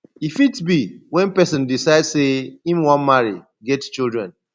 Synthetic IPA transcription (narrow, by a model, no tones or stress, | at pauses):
ifitbiwɛ̃npɛsɔ̃ndisaɪdseĩmwɔ̃nmaɹi | ɡɛtt͡ʃildɹɛ̰̃n